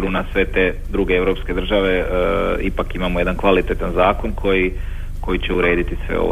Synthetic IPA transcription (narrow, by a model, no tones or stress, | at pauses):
ɾunasʋe̞t̪e̞d̪ɾuɡe̞eʋɾopske̞d̪r̩ʒaʋe̞ipakimamoje̞d̪ankʋalit̪et̪anzaːko̞nkʰo̞ji | ko̞jit͡ɕeuɾe̞ːd̪it̪isʋḛo̰ʋ